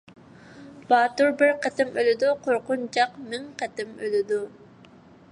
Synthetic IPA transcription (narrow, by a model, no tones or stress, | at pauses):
b̥ɑːt̪uɾbɪɾqɛt̪ɪmølɪd̪uqʰoɾqʊnt͡ʃɑqmɪŋqʰɛt̪ɪmølɪd̪u